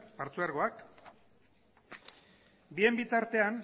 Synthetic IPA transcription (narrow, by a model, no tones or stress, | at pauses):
paɾt͡suaɾɣo̞ak | bie̞mbit̪aɾt̪e̞an